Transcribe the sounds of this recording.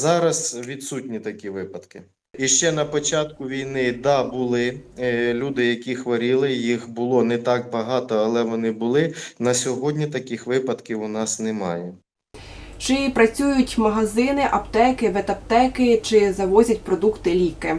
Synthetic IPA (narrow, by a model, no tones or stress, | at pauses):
zɑɾɐzʋʲid̪sutʲnʲit̪ɐkʲiʋɪpɐd̪kɪ̥ | iʃt͡ʃɛnɐpɔt͡ʃɑt̪̚kʊʋʲijnɪd̪ɑbʊlˠɪlʲud̪ɪjɐkʲixʋɐɾʲilˠɪjixbʊlˠɔnɛt̪ɑk̚bɐɦɑt̪ɔɐlˠɛʋɔnɪbʊlˠɪnɐsʲɔɦɔdʲnʲit̪ɐkʲixʋɪpɐd̪kʲiwʊnɑsnɛmɑ̰jɛ | t͡ʃɪpɾɐt͡sʲujʊtʲmɐɦɐzɪnɪʔɐpt̪ɛkɪʋet̪ɐpt̪ɛkɪt͡ʃɪzɐʋɔzʲɐtʲpɾɔd̪ukt̪ɪlʲikɪ